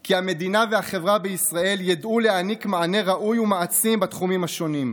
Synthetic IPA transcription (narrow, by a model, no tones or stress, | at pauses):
kiame̞d̪inaveaχe̞vʁabeisʁaʔe̞ljad̪ʔule̞anikmaʕane̞ʁaʔujumaat͡simbat̪χumimhaʃo̞nim